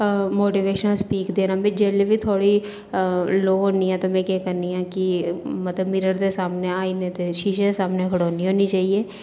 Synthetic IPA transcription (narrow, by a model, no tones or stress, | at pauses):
moːʈiʋeːʃənaspiːkd̪eːnabid͡ʒɛːlebʱit̪ʰoːɽi | loːɦoːniɦɛ̃t̪omɛ̃kɛːkɐɾniãːkimɐt̪ləbmiɾəɾd̪esaːmneaːinet̪eʃiːʃed̪esaːmnekʰɐɽoːniɦoːnit͡ʃaːɦieː